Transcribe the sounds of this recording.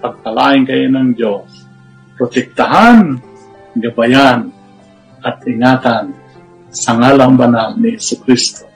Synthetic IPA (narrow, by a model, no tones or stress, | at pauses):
paɡ̚palaʔɪŋkaʔɪnaŋd͡ʒos | pɾot̪ɛk̚t̪aɦan | ɡabajan | ʔat̪ɪŋaːt̪an | saŋalaŋbanalnɪhɛsʊkɾist̪o